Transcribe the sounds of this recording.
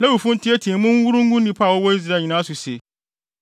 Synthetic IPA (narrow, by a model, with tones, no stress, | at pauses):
nɛ˦wu˨fũ˦n̩˦tʰɪ˦ɛ˦tʰĩ˨˦mʊ̃˦wu˦ɾũ˦ŋ˦ɡʊ̃˦nː˦ĩ˨pʰa˦˨wɔ˦bɔ˦i˦zi˨ɾa˦˨ɲi˨nãː˦sʊ˨se˨